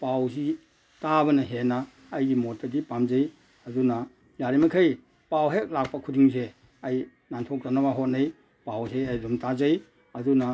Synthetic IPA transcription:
pawsi | tabɐnɐɦenaː | jɡimot̚tadipamzaj | aduna | jaɾimakʰɯj | pawɦek̚lak̚pakʰudiŋse | aj | nantʰɔk̚ɾanabaɦot̚naj | pawseajdumtazaj | aduna

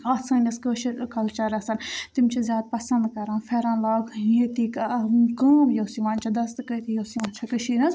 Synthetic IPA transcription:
aːsãːnʲɐskəʃikɐlt͡ʃɐɾɐsɐnt̪imt͡ʃʰezjaːd̪̚pɐsɐ̃nd̪kɐɾãːnfʰɛɾãːnlaːɡjet̪ikkəːmjosiʋãːnʲt͡ʃʰad̪ɐst̪kət̪ijoːsiʋaːnt͡ʃʰɐkəʃinɐz

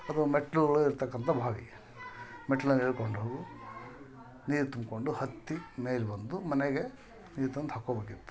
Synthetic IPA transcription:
ɐd̪umeʈluɡɐɭuiɾt̪ɐkːɐnt̪ʰɐbʱaːɡḭ | meʈːlunɐleːɭkoɳɖoːɡu | niːɾut̪umko̞ɳɖuhɐt̪ːimeːlbɐnd̪umɐneɡe̞ | niːɾt̪ɐnt̪ɦɐkːoːbeːkit̪ːu̥

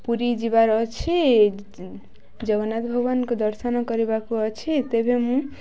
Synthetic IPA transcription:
puɾid͡ʒibaɾʌt͡sʰi | d͡ʒʌɡʌnat̪bʱʌbʌnkod̪ʌɾsʌnʌkʌɾebakoʌt͡ʃʰit̪ebʱemũ

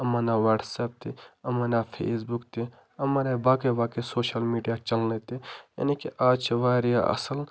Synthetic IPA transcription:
ɐmaːnaʋɐːɖseːp̚t̪ʰiɐmaːnapʰḛːsbukt̪i | ɐmaːɾebaːkebaːkesoːʃəlmiːɖijat͡ʃɐlnet̪ija̰ːnikiʔaːt͡ʃʋaːɾija̰ʔɐ̰səl

